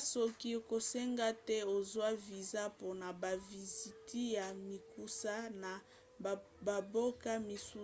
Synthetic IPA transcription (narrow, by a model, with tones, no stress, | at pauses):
so˦ki˦˨ko˨sɛ˦ŋɡa˦tɛ˦o˨zwa˦vi˨za˦po˦na˨ba˨vi˨zi˨ti˦ja˨mi˨ku˦sa˦na˨ | ba˨bo˦ka˦mi˨su˦